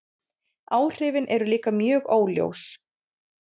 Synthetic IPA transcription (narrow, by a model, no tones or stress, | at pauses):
aːwr̥ɪːvɪnʔɛɾʏliːkamjœːɣoːwljo̰ws